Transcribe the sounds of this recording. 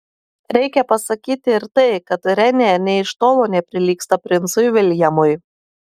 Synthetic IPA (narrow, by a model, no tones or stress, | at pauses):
ɾʲɛɪkʲɛpɐsɐkʲiːt̪ʲɪɪɾt̪ɐɪkɐt̪ɾʲɛnʲenʲɛɪʃt̪oːlˠoːnʲɛpʲɾʲɪlʲiːkst̪ɐpʲɾʲɪnt̪sʊjʋʲɪlʲjɛmʊj